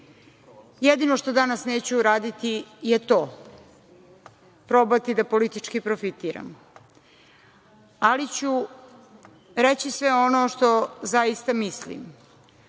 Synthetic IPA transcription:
jed̪inoʃt̪o̞d̪anasne̞ːt͡ɕuːɾaːd̪it̪ijet̪o̞ː | pɾo̞bat̪id̪apo̞lit̪it͡ʃkipɾofit̪iːɾa̰m | alit͡ɕu | ɾet͡ɕisʋeo̞noʃt̪o̞zajist̪amislḭm

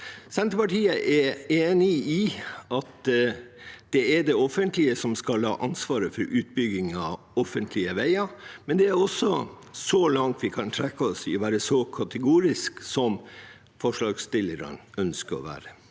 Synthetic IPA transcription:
sɛnt̪ɾəpɑʈiːəʔɛɾeːnɪɪɑt̪ | d̪̥ɛɛɖ̪ɛɔfənt̪lɪəsɔmskɑlhɑ̰ːʔɑnsʋɑːɾəfɔɾʔʉːt̪̚bʏɡɪŋɑʋ | ɔfənt̪ʰlɪəʋæɪɑmɛnd̪ɛæɾɔsɔ | sɔlɑŋt̪ʋɪkʰɑnt̪ʰɾɛkːəɔsɪɔʋæːɾəsɔkʰɑt̪ʰəɡuːɾɪsksɔm | fɔʂɭɑːɡst̪ɪlːəɾɑ̰nœnskəɾɔ̰ʋæ̰ːɾə

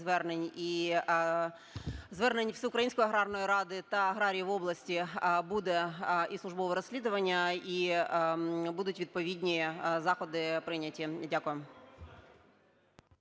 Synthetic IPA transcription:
ʋɛrnenʲi | zʋɛrnenʲwsʲiʊkɾɐjinʲsʲkɔjɐɦɾɑrnɔjiɾɑd̪ɪt̪ɐɐɦɾɑɾʲijiʋɔblˠɐsʲtʲibud̪ɛʔisˠʊʒbɔʋɛɾɔsʲlʲid̪ʊʋɐnʲːɐi | bud̪ʊtʲʋʲid̪̚pɔʋʲidʲnʲizɑxɔd̪ɪpɾɪnʲɐtʲidʲakʊjem

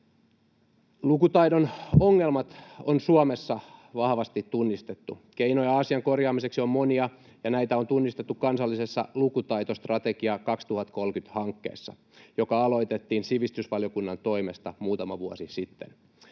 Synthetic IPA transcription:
lukut̪ɑidonoŋːelmɑt̪onsuomesːɑʋɑhʋɑst̪it̪ːunːist̪e̞t̪ːukeijnojɑɑsiɑŋko̞rjɑːmise̞ksio̞mmoniɑ | jɑnæjt̪æo̞nt̪unːist̪et̪ːukkɑnsɑlːisesːɑ̰lukut̪ɑjt̪ost̪rɑt̪ekiɑkɑkst̪uhɑt̪ko̞lkyt̪hɑŋkːe̞̰ːsːɑ̰ | jo̞kɑɑlo̞it̪et̪ːiːnsiʋist̪ysʋɑljo̞kunːɑnt̪o̞imest̪ɑmuːt̪ɑmɑʋuo̰sisit̪ːen

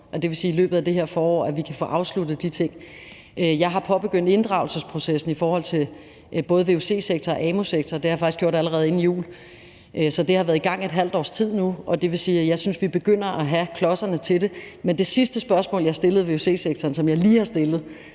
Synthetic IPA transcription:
ʔɒ̽d̥e̝ʋe̝siːilø̰ːb̥ð̩ˠæd̥e̝ɦeɐfɒːɒ̰ːæʋikʰæfɔ̰ːʔɑ̈ʊslud̥ð̩ˠd̥it͡sʰe̝ŋ̰ | ʔjɑ̈ɪɦɑ̈pʰɒ̽b̥e̝ɡ̥øn̰d̥e̝nd̥ʁɑ̈ʊl̩səspʰʁo̝sesn̩ifɒːhɒ̽l̰t͡sʰe̝ | b̥ɔ̽ːð̞̩ˠʋe̝ose̝̰ːseɡ̥̚t͡sʰɐɒ̽ʔɛmo̝seɡ̥̚t͡sʰɐd̥e̝hɑ̈jfɑɡ̥isɡ̥jo̰ɾ̥æləʁɛːð̞̩ˠe̝nijṵːl | ʔsɒ̽d̥e̝hɑʋæɐðˠiɡ̥ɑ̈ŋ̰e̝d̥ɦæl̰d̥ɒ̰ːst͡sʰið̰ˠnuʔɒ̽d̥e̝ʋe̝siːjɑ̈ɪsynsʋib̥e̝ɡ̥øn̰ɐʔæɦækʰlɒ̽sɐnət͡sʰe̝de̝mend̥e̝sisd̥əsb̥ɶɐsmɔ̰ljɑ̈ɑsd̥e̝lð̞̩ˠʋe̝ose̝̰ːseɡ̥̚t͡sʰɐːnsɒ̽mjɑ̈ɪliːhɑ̈sd̥e̝lð̩ˠ

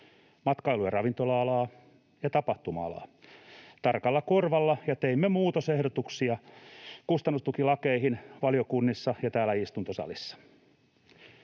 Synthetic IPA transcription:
mɑt̪kɑiluerɑʋint̪olɑɑlɑː | jɑt̪ɑpɑht̪umɑ̰ɑ̰lɑ̰ː | t̪ɑrkɑlːɑkorʋɑlːɑjɑt̪eimːemuːt̪osehdot̪uksiɑkust̪ɑnːust̪ukilɑkeihinʋɑljokunːisːɑjɑt̪æːlːæist̪unt̪osɑ̰lisːɑ̥

